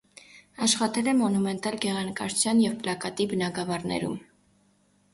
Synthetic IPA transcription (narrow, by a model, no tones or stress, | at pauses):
ɑʃχɑt̪ɛlɛmɔnumɛnt̪ɑlɡɛʁɑnəkɑɾut͡sʰjɑnjɛvplɑkɑt̪ibənɑɡɑvɑɾnɛ̰ɾṵm